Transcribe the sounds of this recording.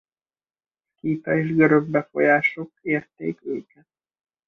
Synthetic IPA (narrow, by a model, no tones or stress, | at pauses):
kiːt̪ɒeːʒɡøɾøɡ̚bɛfo̞̰jaːʃo̞keːrt̪ḛːkøːkɛ